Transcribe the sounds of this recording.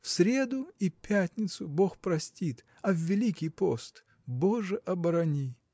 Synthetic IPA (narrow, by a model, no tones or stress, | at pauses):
fsɾʲe̞d̪ʊipʲætʲnʲɪt̪sʊboxpɾɐsʲtʲit̪ | ɐvːʲɪlʲikʲijpost̪ | boʐɨʔɐbɐɾɐnʲi